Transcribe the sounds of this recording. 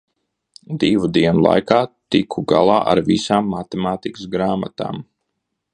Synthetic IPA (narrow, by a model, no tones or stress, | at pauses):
d̪ivud̪iɛnulˠa̰jkaːt̪ikʰuɡa̰lˠaːʔa̰ɾvisaːmːat̪ɛmaːt̪ikəsɡɾaːmat̪a̰ːm